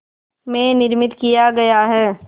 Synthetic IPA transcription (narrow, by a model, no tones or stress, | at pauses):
mẽnɪɾmɪt̪kijaɡɐjaɦɛː